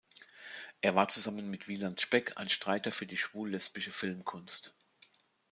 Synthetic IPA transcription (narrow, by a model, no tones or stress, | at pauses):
ʔeːɐvaːɐt͡suzamənmɪtv̥iːlantʃpɛkʰa̰ɪnʃtʁ̥aɪtɐfyːɐdiːʃv̥uːlːɛspɪʃəfɪlmkʰʊnst